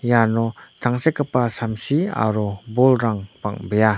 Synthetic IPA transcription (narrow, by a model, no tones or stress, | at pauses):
janot̪ʰaŋsekəpasamsia̰ɾobolɾaŋpa̰ŋbea